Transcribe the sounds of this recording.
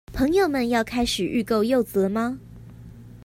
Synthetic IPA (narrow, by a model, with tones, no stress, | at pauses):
pʰɤ˧˥ŋjo˨˩ʊmə˨njɑ˥˨ʊkʰa˦˥ɪʂɻ̩˨˩ʔy˥˧ko˥˧ʊjo˥˨ʊt͡sɤ˨˦ma˦